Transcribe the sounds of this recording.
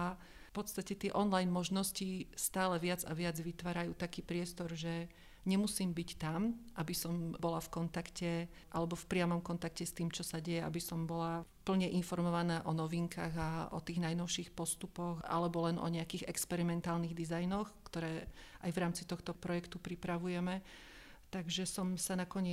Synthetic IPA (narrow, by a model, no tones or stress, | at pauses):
a | fpɔt̪st̪acɛt̪ɪɛʔɔnlajnmɔʒnɔscist̪aːlɛʋɪad͡za̰ʋɪad͡zʋit̪ʋaːɾajuːt̪akiːpɾɪɛst̪ɔɾʒɛ | ɲɛmusiːmbict̪amʔabisɔmbɔlafkɔnt̪akcɛ | ʔalɛbɔfpɾɪamɔmkɔnt̪akcɛst̪iːmt͡ʃɔsaɟɛjɛa̰bisɔmbɔla | pl̩ɲɛʔinfɔɾmɔʋanaːʔɔnɔʋiŋkʰaːɣaʔɔ̰t̪iːɣnajnɔʊʃiːxpɔst̪upɔɣʔa̰lɛbɔlɛnɔ̰ɲɛakiːɣɛkspɛɾimɛnt̪aːlniɣd̪izajnɔxkt̪ɔɾɛːʔajʋɾaːmt͡sit̪ɔxt̪ɔpɾɔjɛkt̪upɾipɾaʋujɛmɛ | t̪aɡʒɛsɔmsanakɔɲɪɛ